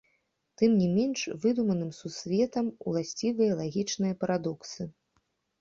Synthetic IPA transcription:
t̪ɨmnʲimʲɛnʂvɨd̪umɐnɨmsusʲvʲɛt̪ɐmṵlˠasʲt͡sʲivɨjɐlˠaɣʲit͡ʂnɨjɐpɐɾad̪ɔksɨ

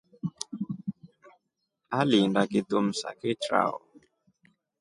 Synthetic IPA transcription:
alindakɪt̪om̩sa̰kɪt͡ʃɾa̰o

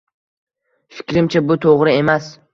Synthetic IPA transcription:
fɪ̥kʲɾɪmt͡ʃʰabʊt̪ʰoʁɾɪe̞mas

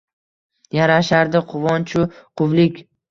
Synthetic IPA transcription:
jaɾaʃaɾd̪ɪqʰʊvɒnt͡ʃʰʊqʰʊvlɪkʲ

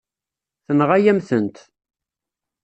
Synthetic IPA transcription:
θənʁæjæmθənt̪

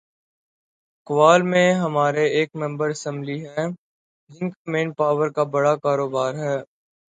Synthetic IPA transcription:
kʊʋaːlmẽɦɐmaːɾeeːkmɛ̃mbəɾɪsɛ̃mbliɦɛː | d͡ʒɪnkamẽːnpaːʋəɾkabɐɽakaːɾoːbaːɾɦɛː

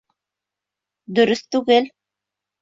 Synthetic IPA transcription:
d̪ɵ̆ɾɵθt̪ʉɡɘl

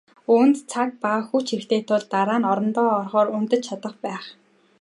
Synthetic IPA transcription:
unt̪t͡sʰak̚paxuːt͡ɕʰixt̪ʰeːt̪ʰʊɮt̪aɾaːnɔɾɞ̆nt̪ɔːɔrχɔːɾunt̪ɘ̆t͡ɕt͡ɕʰat̪ə̆χpæːχ

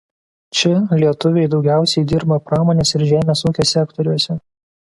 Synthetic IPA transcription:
t͡ʃʲɪlʲiɛt̪ʊʋʲɛɪd̪ɒʊɡʲæˑʊsʲɛɪd̪ʲɪɾbɐpɾɑːmoːnʲeːsɪɾʒʲæːmʲeːsuːkʲoːsʲɛkt̪ɔɾʲuɔsʲɛ

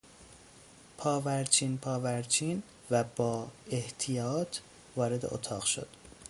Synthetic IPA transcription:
pʰɒːvæɾt͡ʃʰiːnpʰɒːvæɾt͡ʃʰiːn | væbɒːeht̪ʰijɒːt̪ʰ | vɒːɾe̞d̪e̞̰ʔo̰t̪ʰɒːɣʃo̞̰d̪̥

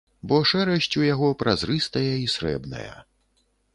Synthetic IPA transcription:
bɔʂɛɾɐɕʲt͡sʲujaɣɔpɾazrɨst̪ɐjɐisɾɛ̰bnɐ̰jɐ̰

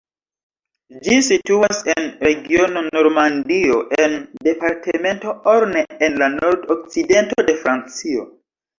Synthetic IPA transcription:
d͡ʒisituasenɾe̞ɡio̞no̞no̞ɾmandio̞ʔende̞paɾtʰeme̞ntooɾneenlano̞ɾdok̚t͡side̞ntode̞fɾant͡sio̞̰

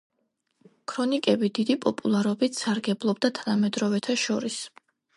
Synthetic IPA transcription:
kʰɾɔnikʼɛbid̪id̪ipʼɔpʼulˠaɾɔbit̪saɾɡɛblˠɔb̚d̪at̪ʰanamɛd̪ɾɔvɛt̪ʰaʃɔɾis

